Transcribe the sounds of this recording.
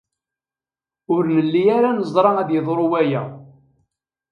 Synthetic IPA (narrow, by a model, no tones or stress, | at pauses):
ʊɾnəlːijaɾanəzˤd̪ˤɾˤɑæðjəðˤɾˤʊwæjæ̰